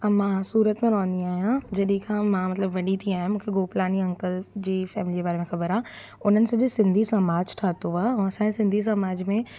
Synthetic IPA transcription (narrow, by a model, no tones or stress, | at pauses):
ɐmãːsuːɾət̪mẽɾɔːə̃nd̪iaːɦijãd͡ʑɐɗĩkʰãmãːmɐt̪ləbʋɐɗit̪ʰiaːɦij̃mũːkʰeɡoːplaːniɐ̃ŋkəld͡ʑiːfɛːmɪliəbaːɾemẽxɐbəɾaː | ʊn̤ənɪ̆sɐ̃d͡ʑesɪ̃nd̪ʱisɐmaːd͡ʑʈʰaːt̪oaːɛ̃ːɐsãːd͡ʑesɪ̃nd̪ʱis̬ɐmaːd͡ʑmẽ